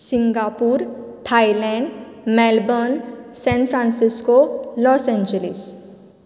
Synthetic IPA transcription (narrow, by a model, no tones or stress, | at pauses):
sĩŋɡapuɾt̪ʰailɛ̃ɳɖ | mɛlbɔnsɛ̃nfɾãnsiskolɔːsɛ̃ɲd͡ʒəlḭs